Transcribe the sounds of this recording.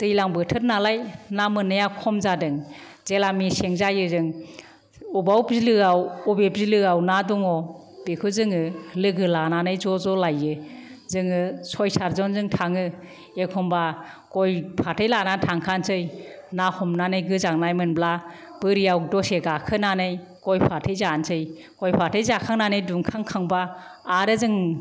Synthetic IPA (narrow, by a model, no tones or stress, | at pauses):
d̥ɯjlaŋbɯtʰɯt̚nalajnamɯnːɯjakʰɔmzadɯŋ | zelamiseŋzajɯzɯŋ | ubawbzilɯawɔbebzilɯawnadɔŋɔ | bekʰɯzɯŋɯlɯɡɯlananɯjzɔzɔlajːɯzɯŋɯsɔjsaɾzɔnzɯŋtʰaŋɯ | ekʰɔmba | kɔjpʰatʰɯjlanatʰaŋkʰansɯj | nahɔmnanɯjɡɯzaŋ̚najmɯnbla | b̥ɯɾijawdɔseɡakʰɯnanɯj | kɔjpʰatʰɯjzansɯj | kɔjpʰatʰɯjzakʰaŋnanɯjduŋkʰaŋkʰaŋbaːɾɯzɯŋ